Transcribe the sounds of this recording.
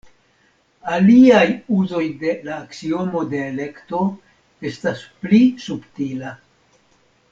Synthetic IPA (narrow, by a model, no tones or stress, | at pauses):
aliajuzo̞jde̞laːksio̞mo̞de̞ːle̞kto̞ | e̞stasplisuptila